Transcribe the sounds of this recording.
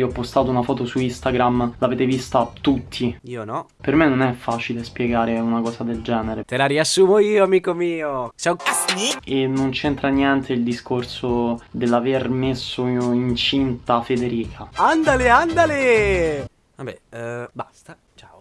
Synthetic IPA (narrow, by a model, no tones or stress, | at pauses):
iɔpːost̪aːt̪ounafɔːt̪osuist̪aɡɾamlaveːt̪evist̪at̪ut̪ʰːiionɔ | permenːonɛfːaːt͡ʃilespjɛɡaːɾeunakɔːsad̪eld͡ʒɛːneɾet̪elaɾiasːuːmoiːoamiːkomiːosa | enont͡ʃent̪ɾanjɛnt̪ʰeild̪iskorsod̪elːavermesːoint͡ʃint̪afed̪eɾiːkʰaand̪aleand̪ale | vabɛ̰bast̪a | t͡ʃao